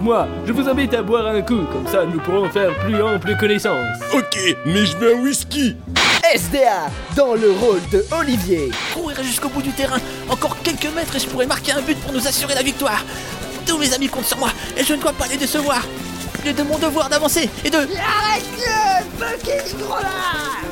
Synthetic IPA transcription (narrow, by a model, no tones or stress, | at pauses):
mwaʒəvuzɑ̃bit̪abwaʁɛ̃kukɔmsanupuʁɔ̃fɛʁplyɑ̃pləkɔnɛsɑ̃sɔkʲemɛʒəvɛ̃wiskʲi | ɛsd̪ea | d̪ɑ̃ləʁold̪əɔlivjekuʁiʁɛʒyskobud̪yt̪eʁɛ̃ | ɑ̃kɔʁkʲɛlkəmɛt̪χeʒəpuʁɛmaʁkʲeɛ̃byt̪̚puʁnuzasyʁelavik̚t̪waːʁ | t̪umezamikɔ̃t̪syʁmwa | eʒənəd̪wapaled̪esəvwaʁ | lɛd̪əmɔ̃d̪əvwaʁd̪avɑ̃seːd̪əaʁɛd̪əbəkʲet̪ʁɔla